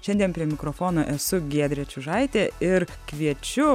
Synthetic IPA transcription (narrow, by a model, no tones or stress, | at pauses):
ʃʲɛnʲd̪ʲiɛnpʲɾʲiɛmʲɪkɾoːfoːnoːʔɛsʊɡʲiɛd̪ʲɾʲɛt͡ʃʲʊʒɐɪt̪ʲeːɪɾkʋʲiɛt͡ʃʲʊ